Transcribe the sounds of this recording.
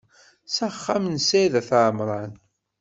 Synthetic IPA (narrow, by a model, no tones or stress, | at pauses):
sæχːamnsæðæθʕmɾˤɑn